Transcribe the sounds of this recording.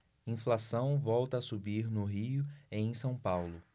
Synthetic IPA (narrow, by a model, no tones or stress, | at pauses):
ĩflasɐ̃w̃vɔwt̪ɐːsubiɾnʊɦiʊẽj̃sɐ̃w̃pawlʊ